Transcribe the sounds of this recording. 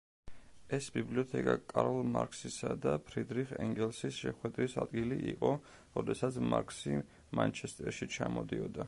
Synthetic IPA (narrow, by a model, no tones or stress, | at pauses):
ɛsbibliɔt̪ʰɛkʼakʼaɾɔlˠmaɾkʼsisad̪apʰɾid̪ɾiχɛŋɡɛlˠsisʃɛχwɛd̪ɾisad̪̚ɡiliʔiqʼɔ | ɾɔd̪ɛsat̪sʰmaɾkʰʼsi | mant͡ʃʰɛst̪ʼɛɾʃit͡ʃʰamɔd̪iɔd̪a